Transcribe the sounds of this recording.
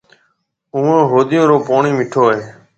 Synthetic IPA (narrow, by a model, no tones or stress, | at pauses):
uːãːɦoːd̪ɪjõːɾoːpoːɳiːmɪʈʰoːɦeː